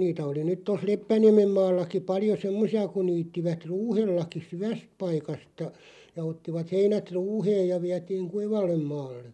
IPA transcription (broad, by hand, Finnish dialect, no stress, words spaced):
niːtæ oli nyt tos̆ lepːæniæmem mɑːlːɑki pɑljo semːosiɑ kun̆ niːtːiʋæt ruːhelːɑki syʋæst̆ pɑikɑstɑ jɑ otːiʋɑt heinæt ruːheːj jɑ ʋiætiːŋ kuiʋɑlːem mɑːlːe